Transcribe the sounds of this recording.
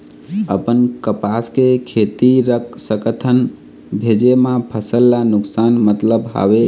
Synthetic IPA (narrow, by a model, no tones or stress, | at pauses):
əpənkəpaskekʰet̪iɾəkʰsəkət̪ʰən | bʱed͡ʒemãpʰəsəlːanʊksanmət̪ləbɦa̰be